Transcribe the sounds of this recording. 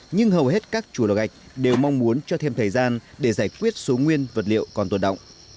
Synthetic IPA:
ɲɨ˧ŋɦə˨˩wɦe˦˥t̚kaː˦˥k̚t͡ɕu˧˩lo̰˨˩ɣa˨˩k̚ɗe˨˩wma˧wŋ͡mmu˨˦ənt͡ɕɔ˧t̪ʰe˧mt̪ʰəː˨˩jzaː˧nɗe˧˩zaː˧˩jkwi˦˥ət̚so˨˦ŋwi˧ənvə˨˩t̚lḭ˧˨ə˨wkɔ˨˩nt̪o˨˩nɗə̰˧˨wŋ͡mʔ

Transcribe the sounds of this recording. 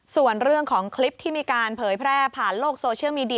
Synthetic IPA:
su˨˩ənɾɯ˥˩əŋkʰɔː˩˦ŋkʰli˦˥p̚t̪ʰiː˥˩miː˧kaː˧npʰɤː˩˦jpʰɾɛː˥˩pʰaː˨˩nloː˥˩k̚soː˧t͡ɕʰi˥˩əwmiː˧di˧

